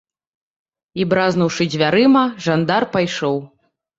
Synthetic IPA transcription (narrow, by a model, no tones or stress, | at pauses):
ibɾaznuwʂɨd͡zʲvʲaɾɨmɐʐand̪arpajʂɔw